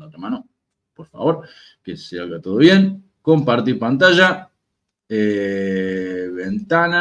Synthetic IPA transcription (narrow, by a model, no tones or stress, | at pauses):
at̪ɾemano | po̞ɾfa̰βo̞ɾ | kesealɣat̪oð̞oβje̞ŋ | ko̞mpaɾt̪iɾpant̪aʒa | e | βent̪ana